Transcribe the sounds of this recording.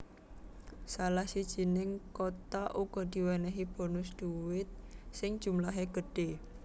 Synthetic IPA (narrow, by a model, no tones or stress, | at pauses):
salahsid̥ʒ̥i̤nɪŋkot̪aʔuɡ̥ɔ̤d̪̥i̤wɛnɛɦib̥ɔ̤nʊsd̥uwɪt̪̚sɪŋ̥ʒ̥ṳmlaɦeɡ̥əɖ̥e